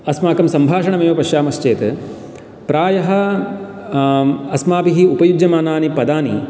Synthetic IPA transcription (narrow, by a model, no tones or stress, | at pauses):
ɐsmaːkɐmsɐmbʱaːʂɐɳɐmeːʋɐpɐʃjaːmɐst͡ʃeːt̪ | pɾaːjɐɦɐ̆ | ɐsmaːbiɦiupɐjud͡ʒjɐmaːnaːnipɐd̪aːnḭ